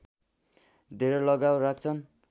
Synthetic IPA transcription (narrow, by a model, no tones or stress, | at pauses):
d̪ʱeɾʌlʌɡawrak̚t͡sʰʌn